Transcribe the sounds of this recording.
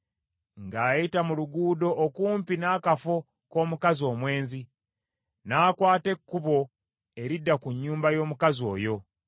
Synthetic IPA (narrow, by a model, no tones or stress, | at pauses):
ŋɡaːjitamuluɡuːdo̞ʔːkuːmpinaːkafo | ko̞ːmukazio̞ːmwe̞ːnzi | naːkwaːte̞kːuβo̞ | e̞ɾidːakuɲːuːmbajo̞ːmukazo̞̰ːjo̞